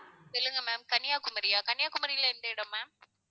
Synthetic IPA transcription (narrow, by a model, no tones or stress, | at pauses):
ɪlːɯŋɡɐmaːmkɐnɪjaːkʊmɐɾɪjaːkɐnɪjaːkʊmɐɾɪjɪlːɐɪnd̪ɐɪɽɐ̃maːm